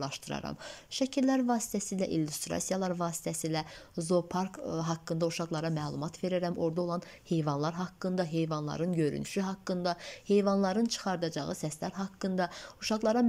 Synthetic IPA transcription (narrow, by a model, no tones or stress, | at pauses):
lˠɑʃt̪ɯɾɑ̰ɾɑ̰mʃæcʰiɾlæɾvɑːsi̥t̪ʰæsilæʔilːust̪ɾɑ̰sijɑlˠɑɾvɑːsi̥t̪ʰæsiːlæzo̞pʰɑɾkɦɑkːɯnd̪ɑuʃɑɣlˠɑɾɑmæːlˠumɑt̪ʰve̞ɾæɾæmʔo̞ɾd̪ɑo̞lˠɑn | he̞jvɑnlˠɑɾɦɑkːɯnd̪ɑɦe̞jvɑnlˠɑ̰ɾɯnɟø̞ɾy̰ny̰ʃyɦɑkːɯnd̪ɑhe̞jvɑnlˠɑɾɯnt͡ʃʰɯ̥χɑɾd̪ɑd͡ʒɑ̰ʁɯsæslæɾɦɑkːɯnd̪ɑuʃɑɣlˠɑɾɑm